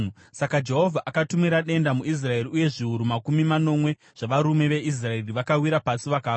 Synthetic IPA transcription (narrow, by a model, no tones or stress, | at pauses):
sakad͡ʒe̞ɦo̞vʱaʔakatumiɾaɗe̞ndamuʔis̬rae̞riuje̞ʐiuɾumakumimano̞mwe̞ | ʐ̥aʋaɾume̞ʋe̞is̬rae̞riʋakawiɾapasiʋakaː